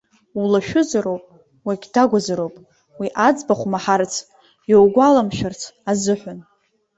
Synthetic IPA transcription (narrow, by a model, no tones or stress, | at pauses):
ulaʃᶣʊzaɾowpʼ | waɡʲdaɡʷazaɾowpʼ | wiʔad͡zbaχʷmaħart͡sʰ | jowɡʷalamʃᶣart͡sʰazɨħʷᶣan